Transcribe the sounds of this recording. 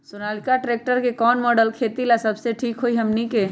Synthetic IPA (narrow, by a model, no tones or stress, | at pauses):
sʊnaːlɪkaʈɾeːk̚ʈəɾkekɔːnmɔːɖəlkʰeːt̪ilasɐbseʈʰiːkɦoiɦɐmnike